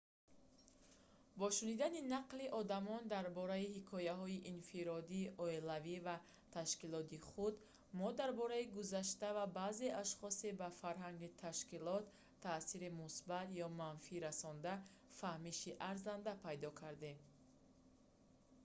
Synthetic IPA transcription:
bɔʃunid̪aninaqliʔɔd̪amɔnd̪aɾbɔɾaihikʰɔjaɦɔiʔinfiɾɔd̪iːʔɔelaviva | t̪ʰaʃkilɔt̪iχud̪ | mɔd̪aɾbɔɾaiɡuzaʃt̪avabaːze̞ʔaʃχɔsebafaɾɦaŋɡit̪ʰaʃkilɔt̪ʰː | aːsiɾimusbat̪jɔmanfiɾasɔnd̪a | fahmiʃiʔaɾzand̪apʰajd̪ɔkʰaɾd̪e̞m

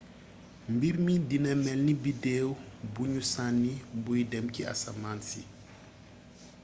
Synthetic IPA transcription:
mbiɾmidinəmɛlnibideːwbuɲusanːibujdɛmkia̰sa̰maːnsi

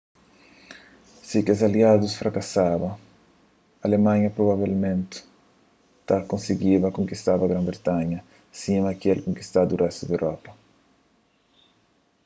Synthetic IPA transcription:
sikɪozaliad̪ʊsfɾakasaβɐ | aːlemãɲɐpɾoβaβelmẽnt̪ɪ̥ | t̪akõnsiɡiβɐkõŋkist̪aβɐɡɾãmbɾet̪aɲɐ | simɐkɪɛlkõŋki̥st̪ad̪urʔɛst̪ʊd̪ewɾʔɔpɐ

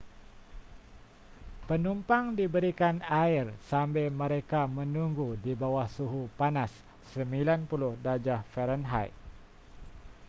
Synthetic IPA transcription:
pənumpaŋdibəɾikanairsambɛməɾekamənuŋɡudibawahsuɦupanasː | əmbilanpulʊhdad͡ʒahfɛɾənɦa̰j

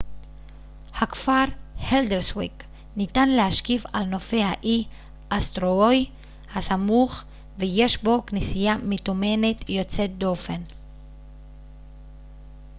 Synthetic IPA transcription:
hakfaʁheld̪eʁswik | nitanlehaʃkiva̰lno̞fehaʔi | ʔast̪ʁooj | hasamuχ | veje̞ʃbo̞knisijamet̪ume̞net̪jo̞t͡set̚d̪ofen

